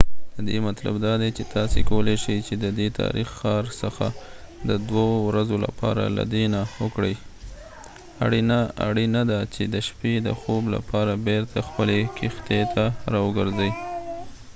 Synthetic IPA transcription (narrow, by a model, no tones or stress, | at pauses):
d̪̥əd̪ḛmat̪la̰bd̪ɑd̪ajt͡ʃet̪ɑsekawəleʃəjt͡ʃed̪əd̪et̪ʰɑ̰ɾixːɑɾsəxa̰d̪əd̪wawɾazola̰pʰɑ̰ɾa̰la̰d̪enawəkɽəj | aɽa̰ɽinad̪at͡ʃed̪əʃped̪əxobla̰pʰɑɾabeɾt̪ʰaxpəlekixt̪et̪ʰaɾɑwəɡəɾzəj